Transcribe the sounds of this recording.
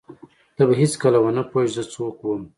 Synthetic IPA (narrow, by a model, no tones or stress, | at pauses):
t̪abaɦet͡skəlawənapoeʒzət͡sokwəm